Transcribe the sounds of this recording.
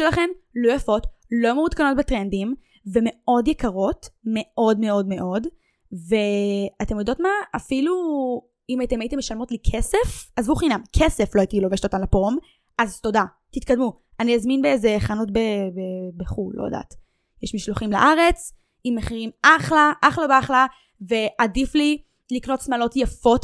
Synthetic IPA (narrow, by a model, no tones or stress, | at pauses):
elaχemlojafo̞tlo̞meut̪kano̞t̚betʁendim | ve̞me̞o̞djekaʁo̞tme̞o̞dmeo̞dme̞ʔo̞d | veat̪e̞mjod̪o̞tmaafilu | imajitemaitemeʃalmo̞tlikʰesefazvuχinamkʰeseflo̞aitilo̞veʃe̥t̪otamlapom | ʔazto̞da | tit̪kadmu | aniazminbeezeχanot̚bebebeχulo̰ja̰d̪a̰ːt | jɛʃmiʃloχimla̰ʔaʁe̞t͡s | imːeχiʁimʔaχlaʔaχlabeaχla | ve̞ʔadifli | likno̞tsmalo̞tjafo̞t